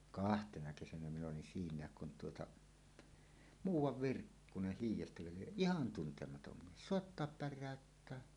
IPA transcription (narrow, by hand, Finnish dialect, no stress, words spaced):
kɑhtenɑ kesænæ min olin siːnˑæːk kun tuotɑ muːwˑɑʋ ʋirkːuneh hiːjˑestækø lieʔ ʔihɑn tuntemɑtom mies soˑetːoɑp pærˑæˑøtːæː